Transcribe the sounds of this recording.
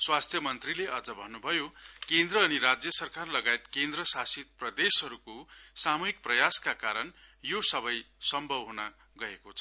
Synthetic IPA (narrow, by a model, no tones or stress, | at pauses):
swast̪ʰjʌmʌnt̪rileʔʌd͡zʌbʱʌnːubʱʌjokend̪ɾʌːniɾad͡zjʌsʌrkarlʌɡajt̪kend̪rʌsasit̪̚prʌd̪esɦʌɾukosamuɦik̚prʌjaskakaɾʌn | josʌβʌjsʌmbʱʌbɦuna | ɡʌekot͡sʰʌ